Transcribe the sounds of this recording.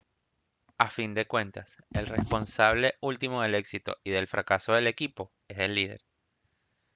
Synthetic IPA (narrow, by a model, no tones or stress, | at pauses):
afind̪e̞kwẽ̞nt̪aselrespo̞nsaβ̞le̞ʔult̪imoð̞e̞le̞ksit̪o̰iðe̞lfɾakaso̞ðe̞le̞kipo̞ | e̞se̞lːið̞ḛɾ